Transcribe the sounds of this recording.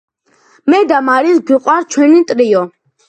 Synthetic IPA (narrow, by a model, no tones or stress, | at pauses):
mɛd̪amaɾisɡwiqʼwaɾt͡ʃʰwɛnit̪ʼɾiɔ